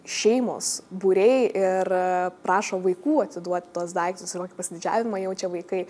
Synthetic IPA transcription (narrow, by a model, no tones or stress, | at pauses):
ʃʲɛɪmo̰ːsbuɾʲɛɪɪrpɾɑːʃoːʋɐɪkuːɐt̪ʲsʲɪd̪uɔt̪ʲt̪uɔsd̪ɐɪkt̪ʲʊsɪrkoːkʲɪpɐsʲɪd̪ʲɪd͡ʒʲæ̰ːʋʲɪmɐjɛʊt͡ʃʲɛʋɐɪkɐɪ